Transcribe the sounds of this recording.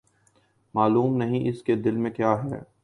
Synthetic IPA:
maːluːmnɐɦĩʔɪsked̪ɪlmẽkjaːɦɛː

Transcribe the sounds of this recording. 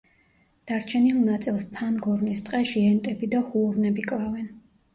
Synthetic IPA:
d̪̥aɾt͡ʃʰɛnilˠnat̪sʼilˠspʰanɡɔɾnist̪ʼqʼɛʃiɛnt̪ʼɛbid̪ahuːɾnɛbikʼlˠavɛn

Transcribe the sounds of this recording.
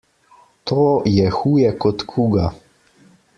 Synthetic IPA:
t̪ʰojɛxuːjɛkɔt̪kʰuːɡa

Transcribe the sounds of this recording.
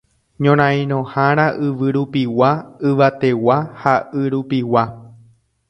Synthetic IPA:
ɲõɾ̃ãĩɾ̃õhãɾ̃ãʔɨʋɨɾupiwaɨʋat̪e̞wahaʔɨɾupiwa

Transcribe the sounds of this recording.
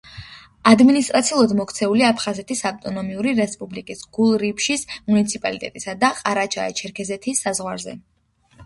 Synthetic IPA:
ad̪minist̪ʼɾat̪sʰiulˠad̪mɔkʰt̪sʰɛuliaapʰχazɛt̪ʰisaft̪ʼɔnɔmiuɾiɾɛspʼublikʼisɡ̥ulˠɾipʃismunit̪sʰipʼalit̪ʼɛ̰t̪ʼisad̪aqʼaɾat͡ʃʰa̰ɛ̰t͡ʃʰɛɾkʰɛzɛt̪ʰisːazʁwaɾzɛ̰

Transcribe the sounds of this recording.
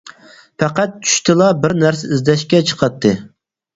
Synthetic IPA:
pæqæt̪̚t͡ʃʰy̥ʃt̪ʰɪlˠɑbɪɾnæɾs̬ɛizd̪ɛʃkʲɛt͡ʃʰə̥qʰɑt̪ʰːɨ

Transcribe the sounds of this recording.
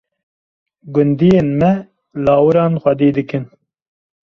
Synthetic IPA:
ɡʊnd̪ijeːnmɛ | lɑːwɨɾɑːnxʷɛd̪eːd̪ɨkɨn

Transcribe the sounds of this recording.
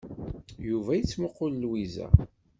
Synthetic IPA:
juvæjət͡sːməqːʊllwizæ̰

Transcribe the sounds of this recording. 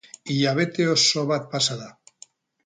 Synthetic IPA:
ijaβet̪eosoβat̪̚pasaða

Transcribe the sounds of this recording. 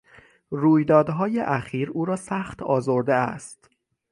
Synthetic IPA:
ruːjd̪ɒːd̪ɦɒːjeʔæxiːɾuːɾɒːsæːxt̪ɒːzoɾd̪eæ̰st̪

